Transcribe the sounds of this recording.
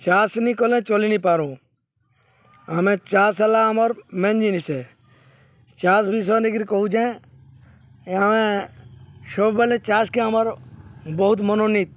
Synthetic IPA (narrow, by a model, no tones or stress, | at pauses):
t͡ʃaːsniːkoːlẽːt͡ʃoːliniːpaːɾõː | əmẽːt͡ʃaːɾsəlaːɦmoɾmẽnd͡ʒiːniseː | t͡ʃaːsbiːs̬oːnɪɡɾikoud͡ʒẽː | əmẽː | ʃoːbbəlẽːt͡ʃaːskẽəmaɾbəɦʊt̪mənoːniːt̪̚